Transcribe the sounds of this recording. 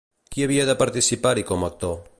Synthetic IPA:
kiaβiaðəpaɾt̪isipaɾikomak̚t̪o

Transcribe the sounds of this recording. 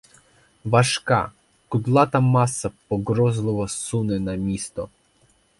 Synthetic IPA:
ʋɐʃkɑ̰ | kʊd̪lˠɑt̪ɐmɑsːɐpɔɡɾɔzlˠɪʋɔsunɪnɐmʲist̪ɔ

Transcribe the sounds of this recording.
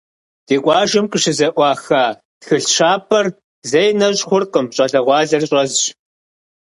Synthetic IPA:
d̥eːkʷʼɑːʒɪmqʼəʃɪzɐʔʷɑːxaː | txɨɬʃaːpʰɐr | zɐjnɐɕʼχʷʊrqəmɕʼɐɮɐʁʷɑːɮɐrɕʼɐzɕ

